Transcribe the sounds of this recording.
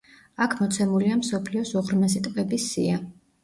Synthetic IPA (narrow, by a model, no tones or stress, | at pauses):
akʰmɔt̪sʰɛmuliamsɔpʰliɔsɔʁɾnasit̪ʼqʼɛbisːḭa